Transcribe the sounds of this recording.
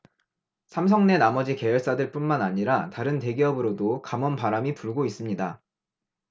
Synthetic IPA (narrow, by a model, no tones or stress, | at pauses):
sʰamsʰʌŋne̞namʌd͡ʑike̞jʌɭs͈adɯɭp͈unmanaɲiɾataɾɯnte̞ɡiʌbɯɾodokamʌnpaɾamipuɭɡois͈ɯmɲida